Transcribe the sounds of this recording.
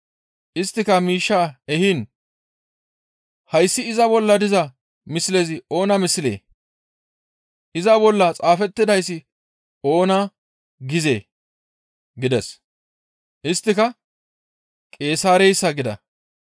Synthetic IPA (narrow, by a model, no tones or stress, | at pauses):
ʔɪst̪ːɪkɐmiːʃːaːɛhiːn | hɐjsːɪɪzɐbɔlːɐd̪ɪzɐ | mɪslezɪo̞ːnɐmɪslḛː | ʔɪzɐbɔlːɐt͡sʼaːfɛt̪ːɪd̪ɐjs̬ːɪ | o̞ːna | ɡɪzḛː | ɡɪd̪ɛs | ʔɪst̪ːɪkɐ | kʼe̞ːsaːɾɛjsːɐɡɪd̪ɐ̰